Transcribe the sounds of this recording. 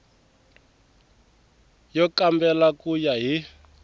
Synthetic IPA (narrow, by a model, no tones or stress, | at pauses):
jɔkambɛlakujaɦi